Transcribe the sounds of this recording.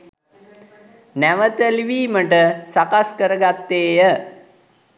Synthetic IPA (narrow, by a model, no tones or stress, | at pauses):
næʋət̪əliʋiːməʈəsakaskəɾəɡat̪ːeːjə